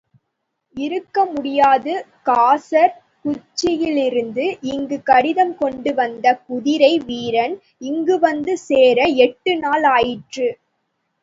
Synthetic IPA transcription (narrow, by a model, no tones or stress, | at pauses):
ɪɾɯkːɐmʊɽɪjaːðɯ | kaːsɐɾ | kʊt͡ʃːɪjɪlɪɾɯnd̪ɯʔɪŋɡɯkɐɽɪðɐmkɔɳɖɯʋɐnd̪ɐkʊðɪɾɐɪʋiːɾɐn | ɪŋɡɯʋɐnd̪ɯseːɾɐɛʈːɯnaːlaːjɪʈrɯ